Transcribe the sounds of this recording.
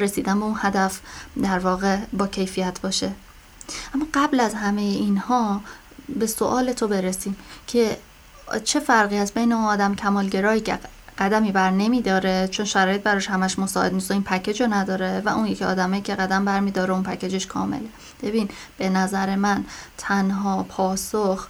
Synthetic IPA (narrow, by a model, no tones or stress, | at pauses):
ɾe̞siːd̪ænmbeunhæd̪æfd̪æɾvɒːɣe̞bɒːcʰe̞jfijæt̪ʰbɒːʃe̞ | ʔæmːɒːɢæblæzhæmejeiːnhɒː | be̞soʔɒːle̞t̪ʰobe̞ɾesiːmcʰe̞ | t͡ʃʰe̞fæɾɣiːhæsbe̞jneunɒːd̪æmcʰæmɒːlɟe̞ɾɒːhiːcʰḛɢ̥æd̪æmiːbæɾne̞miːd̪ɒːɾe̞t͡ʃʰo̞nʃæɾɒːje̞t̪̚bæɾɒːʃhæmæʃmosɒːʔe̞d̪nist̪ɔiːnpʰæcʰe̞d͡ʒonæd̪ɒːɾevæʔunjecʰeɒ̰ːd̪æmɒːjicʲʰe̞ɣæd̪æmbæɾmiːd̪ɒːɾeunpʰæcʰed͡ʒeʃkʰɒ̰ːmḛle̞ | b̥e̞biːn | b̥e̞næzæɾemænt̪ʰænɦɒːpʰɒːsox